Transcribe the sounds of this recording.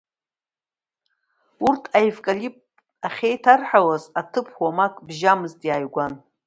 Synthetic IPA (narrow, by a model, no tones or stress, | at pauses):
urtʰajvkʼalipʼ | aχʲejtʰarħawazatʰɨpʰwamakʼbʒamɨztʼjaːjɡʷan